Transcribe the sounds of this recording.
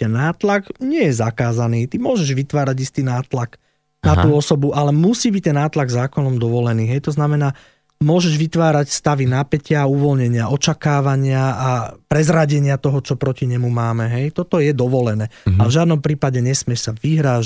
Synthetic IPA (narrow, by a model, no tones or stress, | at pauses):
ɛnːaːt̪lakɲɪɛjɛzakaːzaniːt̪imʊɔʒɛʒʋit̪ʋaːɾaɟist̪iːnaːt̪lak | nat̪uːɔsɔbuʔalɛmusiːbic̚t̪ɛnːaːt̪laɡzaːkɔnɔmd̪ɔʋɔlɛniːɦɛjt̪ɔznamɛnaː | mʊɔʒɛʒʋit̪ʋaːɾacst̪aʋinapɛcɪauʋɔlɲɛɲɪaɔt͡ʃakaːʋaɲɪaapɾɛzɾaɟɛɲɪat̪ɔɦɔt͡ʃɔpɾɔciɲɛmumaːmɛɦɛjt̪ɔt̪ɔjɛd̪ɔʋɔlɛnɛːavʒad̪nɔmpɾiːpaɟɛɲɛsmɪɛʃsaʋiɦɾaː